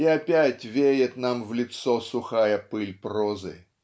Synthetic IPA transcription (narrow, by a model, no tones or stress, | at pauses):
ɪapʲætʲvʲejɪt̪namvlʲɪt̪sosʊxajəpɨlʲprozɨ̰